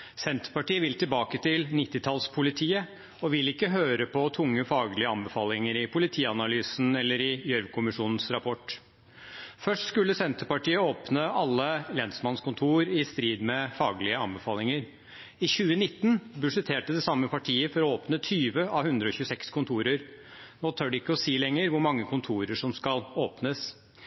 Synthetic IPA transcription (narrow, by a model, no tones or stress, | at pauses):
sɛnt̪ə̥pɑʈiːəʋɪlt̪ɪlbɑːkət̪ɪlnɪt̪ːɪt̪ʰɑlspʰʊlɪt̪ʰiːə | ɔʋɪlɪkːəɦøːɾəpʰɔt̪ʰʊŋːəfɑːɡlɪəɑnbəfɑːlɪŋəɾɪpʰʊlɪt̪ʰiːɑnɑlyːsn̩ɛlːəɾɪjœɾʋkʰʊmɪʂuːnn̩sɾɑpʰɔʈ | fœʂʈskʉlːəsɛnt̪əpɑʈiːəoːpnəɑlːəlɛnsmɑnskʊnt̪ʰuːɾɪst̪ɾiːd̪mɛfɑːɡlɪəɑnbəfɑːlɪŋəɾ | ɪçʉːənɪt̪ːnbʉʂɛt̪ʰeːʈəd̪ɛsɑmːəpɑʈʰiːəfɔɾɔoːpnət̪ʰyːʋəʔɑʋhʉnd̪ɾəɔçʉːəsɛkskʊnt̪ʰuːɾəɾnoːt̪ʰœɖɛɪkːəɔsiːlɛŋːəɾʋʊɾmɑŋːəkʊnt̪ʰuːɾəʂɔmskɑloːpnəs